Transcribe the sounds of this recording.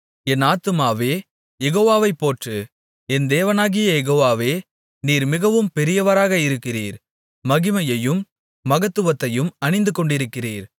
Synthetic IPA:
ɛnaːt̪ɯmaːʋeː | jɛɣoːʋaːʋɐɪpːoːʈrɯ | ɛnd̪eːʋɐnaːɣɪjɐjɛɣoːʋaːʋeː | niːɾmɪɣɐʋɯmpɛɾɪjɐʋɐɾaːɣɐɪɾɯkːɪriːɾ | mɐɣɪmɐjɐjɯmː | ɐɣɐt̪ːɯʋɐt̪ːɐjɯmɐnɪnd̪ɯkɔɳɖɪɾɯkːɪrḭːɾ

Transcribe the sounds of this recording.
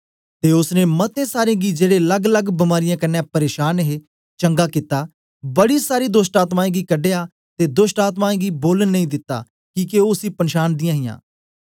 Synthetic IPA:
t̪eːʊsnẽːmət̪ẽːsaːɾẽːɡiːd͡ʒeːɽeːləɡləɡbɪmaːɾɪjãːkɐnːɛ̃ːpəɾeːʃaːnɦeː | t͡ʃə̃ŋɡaːkit̪ːaː | bəɽiːsaːɾiːd̪ʊsʈaːt̪maːẽːɡiːkəɖeːaː | t̪eːd̪ʊsʈaːt̪maːẽːɡiːboːlənːəĩːd̪ɪt̪ːa̰ː | kiːkeoːʊsiːpənʃaːnd̪ɪjãːɦɪjã̰ː

